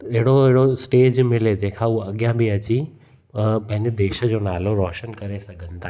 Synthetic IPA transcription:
ɐɦɪɽoɦɪɽosʈeːd͡ʑmɪled͡ʑẽːkʰauɐɠjãbiɐt͡ɕi | pɐ̃ɦɪ̃ɲd͡ʑed̪eːʃə̆d͡ʑoːnaːloɾɔːʃənkɐɾesɐɡʱə̃nd̪a

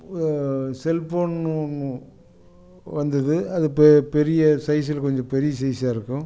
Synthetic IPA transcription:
sɛlpoːnn | ʋɐnd̪ɐðɯɐðɯppɛɾɪjɐsɐɪs̬ɪlkɔɲd͡ʒɔ̃pɛɾɪjɐsɐjsaːɪɾɯkːʊ̃

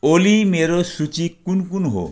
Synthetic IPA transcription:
olimeɾosut͡ɕikːunkunɦo̰

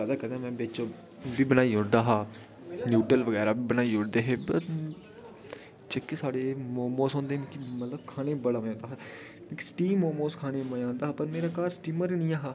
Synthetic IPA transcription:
ɛd̪aːkɛ̃nd̪ãmɛ̃ːbet͡ʃoː | biːbənaːiːʊɳd̪aːɦaː | njuːʈəlʋəɡɛːɾaːbiːbənaːiːʊɽd̪eːɦeːbəɾ | t͡ʃəkːesaːɽeːmoːmoːsõːnd̪eːm̃ːkimət̪ləbkʰaːñeːbəɽaːmːãːnd̪aːɦaː | mẽki̥sʈiːmoːmoːskʰaːɽ̃eːməãːnd̪aːaːpəɾmeːɾaːkaːɾsʈiːməɾnĩːaːɦaː

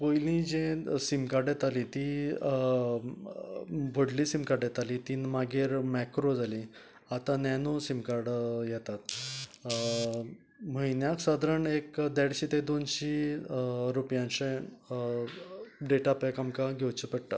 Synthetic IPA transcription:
pojlĩd͡ʑẽsimkaɾɖjet̪alit̪i | ʋʱəɽliːsimkaɾɖjet̪alit̪iːnmaɡeɾmɛkɾod͡zali | at̪ãnɛnosimkaɾɽjɛt̪at̪ | məjnjaksad̪ɾəɳekd̪ɛɽɕiːt̪ẽd̪onɕi | ɾupjãnɕẽ | ɖeʈapakamkãɡʱewt͡ɕəpəɽʈ̪a

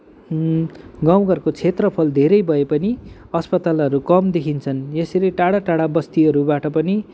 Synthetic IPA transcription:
ɡaw̃ɡʌrkot͡sʰet̪rʌpʰʌld̪ʱeɾʌjbʱʌepʌni | ʌspʌt̪alʌɾukʌmd̪ekʰint͡sʰʌnjesileʈaɽaʈaɽabʌst̪iʌɾubaʈʌpʌni

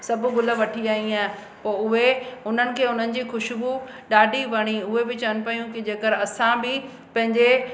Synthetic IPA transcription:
sɐbʊɡʊlə̆ʋɐʈʰiaːɦĩaː | poːʊɦeʊn̤ənɪ̆kʰeːʊn̤ənɪ̆d͡ʑiːxʊʃbu | ɗaːɖʱiʋɐɽ̃iʊɦebɪt͡ɕɐənɪ̆pɐjũkɪd͡ʑeːkəɾɐsãbɪ | pɐ̃ɦɪ̃ɲd͡ʑe

